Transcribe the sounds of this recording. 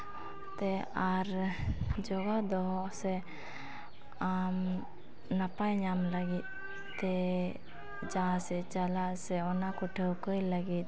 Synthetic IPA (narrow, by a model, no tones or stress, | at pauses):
t̪eaɾ | d͡ʒɔɡad̪ɔɦɔsɛ | am | napajɲamlaɡit̪̚ | t̪ɛ | d͡ʒãsɛt͡ʃalasɛɔnakɔʈʰekoilaɡit̪̚